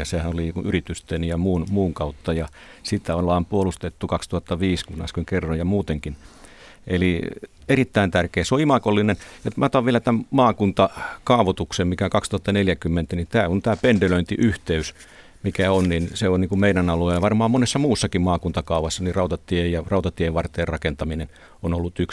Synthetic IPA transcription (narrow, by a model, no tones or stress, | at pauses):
jɑsehænolinikuʔyrit̪yst̪enjɑmuːnmuːŋkɑut̪ːɑjɑ | sit̪æonlɑːmpuolust̪et̪ːukɑkst̪uhɑt̪ːɑʋiːskunɑ̰skeŋkerːojjɑmuːt̪eŋkin | ʔeli | erit̪ːæint̪ærkeːseoimɑkolːinenjot̪mæt̪ɑʋielæt̪æmmɑːkunt̪ɑkɑːʋot̪uksemmikæoŋkɑkst̪uhɑt̪ːɑneljækymːent̪ænit̪æːont̪æːpendeløint̪iʔyht̪eys | mikæonninseoniːŋkumeinænɑluelːɑʋɑrmɑːmmonesːɑmuːsːɑkimmɑːkunt̪ɑkɑuʋɑsːɑnirɑut̪ɑt̪ːˑiejjɑrɑˑut̪ɑt̪ieeʋʋɑrt̪ːˑeːrrɑkent̪ɑminen | onolːut̪yks